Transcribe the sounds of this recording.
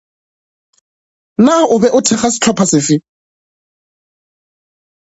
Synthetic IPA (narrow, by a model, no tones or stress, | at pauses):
naʊbɛʔʊtʰɛχasɪ̥t͡ɬʰɔpʰasɪfɪ